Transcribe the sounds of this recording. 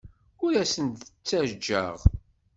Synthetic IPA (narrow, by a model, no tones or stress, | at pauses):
ʊɾæsənt̪t͡sːæd͡ʒːæ̰ʁ